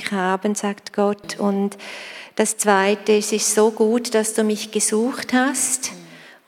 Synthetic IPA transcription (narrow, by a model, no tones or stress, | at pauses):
aːbənzaːktɡ̥ɔtʰʊntd̥ast͡sv̥aɪtəɪsɪstsoːɡuːtd̥asd̥uːmɪçɡ̥əzuːxthast